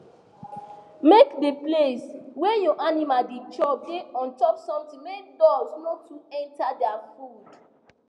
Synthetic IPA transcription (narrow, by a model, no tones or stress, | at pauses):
mekdepleswɛjɔʔanimaldet͡ʃɔb̚deɔ̃ntɔpsɔ̃mtĩŋmek̚dɔsnɔtuɛ̃ntadɛafud